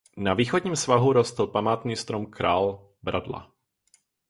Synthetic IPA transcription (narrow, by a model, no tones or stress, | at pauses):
naviːxodɲiːmsvaɦuɾost̪l̩pamaːt̪niːst̪ɾomkɾaːl | bɾʔadla̰